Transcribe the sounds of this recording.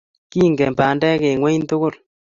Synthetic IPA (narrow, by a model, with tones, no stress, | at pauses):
ki˦˨ŋɡɛ˨mpa˨ndɛ˦ke˨ŋwɛ˦nto˦ko˦˨l